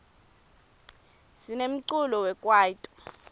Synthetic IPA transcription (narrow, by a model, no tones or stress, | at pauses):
sinem̩ǀulɔwɛkʼwaːitʼɔ̥